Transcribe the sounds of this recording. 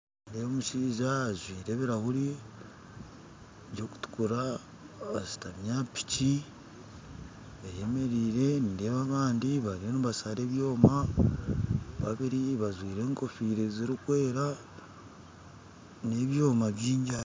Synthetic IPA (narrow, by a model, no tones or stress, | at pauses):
ndemuʃiːzazwiːɾe̞βiɾahuɾi | ɟo̞ku̥tu̥kuɾa | βasi̥tamjapi̥ci | βaje̞me̞ɾiːɾe̞nideβaβaːndiβaɾionuβasaɾe̞ːβjo̞ːma | βaβiɾiβazwiːɾe̞ːŋko̞fiːɾeziɾikwe̞ːɾa | ne̞βjo̞ːmaβjiːɲɟa